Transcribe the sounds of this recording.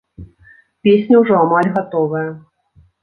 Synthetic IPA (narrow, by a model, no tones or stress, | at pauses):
pʲesʲnʲɐwʐɔamalʲɣat̪ɔvɐjɐ